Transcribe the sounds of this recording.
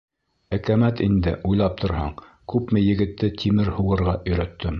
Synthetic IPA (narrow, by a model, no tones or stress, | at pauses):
ækæmæt̪ind̪ɘʔujlˠɑp̚t̪ʰŏɾhɑ̰ɴ | kʉpmɘjɘ̆ɡɘ̆t̪ːɘt̪ʰimɘɾhuʁɤ̆ɾʁɑʔɵ̆jɾæt̪ʰːɘm